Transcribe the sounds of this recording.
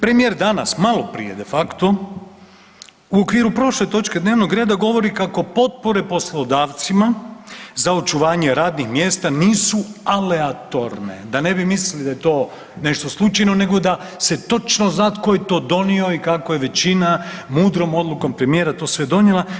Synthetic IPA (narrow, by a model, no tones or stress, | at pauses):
pɾemije̞ːɾd̪ana̰smalˠo̞pɾḭje̞d̪e̞fakt̪o̞ | uokʋiːɾupɾo̞ʃle̞t̪o̞t͡ʃked̪neʋnoɡɾeːd̪aɡo̞ʋo̞ɾikako̞po̞t̪̚po̞ɾe̞po̞slˠo̞d̪aːʋt̪simazaot͡ʃuʋaːɲe̞ɾaːd̪nixmje̞ːst̪aniːsuale̞at̪o̞ɾne̞d̪ane̞bimislilid̪ajet̪o̞ː | ne̞ʃt̪o̞slˠut͡ʃajno̞ne̞ɡo̞d̪a | se̞t̪o̞t͡ʃnoznat̪ko̞jet̪o̞ːd̪o̞nio̞ikakojeʋe̞t͡ɕinamuːd̪ɾo̞mo̞d̪lˠuko̞mpɾe̞mije̞ːɾat̪o̞ːsʋe̞d̪o̞njelˠa